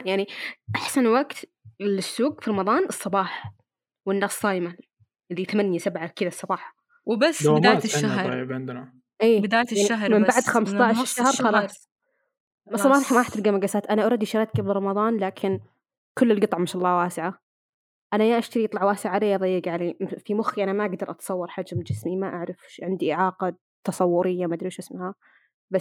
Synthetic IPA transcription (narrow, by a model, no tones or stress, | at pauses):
jaʕniʔaħsanwaɡt̪ | lɪsːuːɡfiɾˤɑmɑðˤɑːnʔɨsˤːɑbɑːħɑ | wɪnːaːsˤːɑːjma | lːit̪amanjasabʕakɪðasˤɑbɑːħɑ̥ | wbasːbɪajʃːaɦɾɾbʕɪnd̪na | ʔiːbɪd̪aːjaaʕniahmɪmbaʕd̪xamst̪aʕʃʃːahɾˤxɑlɑːsˤ | ɑmɑːɾˤɑħmaħt̪ɪlɡamaɡasaːt̪ʔanaʔɑɾˤɑd̪ːiʃɑɾˤɑt̪ɡablɾˤɑmɑðˤɑːnlaːkʰɪn | kʊlːɪlɡɨt̪ˤʕmɪʃɑlˤːɑːwaːsɪʕa | ʔanajaʔaʃt̪aɾiʔɑt̪ˤlɑʕwaːsɪʕaaleːʔɑðˤɑjːɪɡʕaleːfimʊxːiʔanamaʔaɡd̪ɑɾˤʔɑt̪sˤɑwːɑɾˤħad͡ʒmd͡ʒɪsmimaʔaʕɾˤɑfʃʕɪnd̪iʔɪʕɑːqɑ | t̪ɑsˤɑwːʊɾɪjːamad̪ɾiːʃʔɪsmha | bas